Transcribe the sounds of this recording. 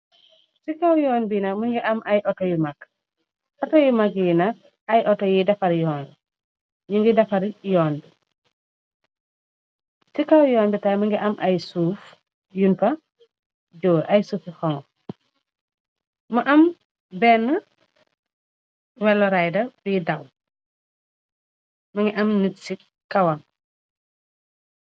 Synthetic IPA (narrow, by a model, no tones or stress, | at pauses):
sikawjɔːnbinɐkmuŋɡiʔɐmʔɐjʔɔtɔjumak | ʔɔtɔjumakjinɐk̚ | ɐjʔɔtɔjidɐfɐɾijɔːn | ɲuŋɡidɐfɐɾijɔːnbi | sikawjɔːnbitajmuŋɡiʔɐmʔajsuːf | junfɐ | ɟɔːʔɐjsuːfixɔŋ | mɐʔɐm | bɛːnːɐ | wɛlːɔɾajdɐbidɐw | mɐŋɡiʔɐmnitsi | kɐwɐn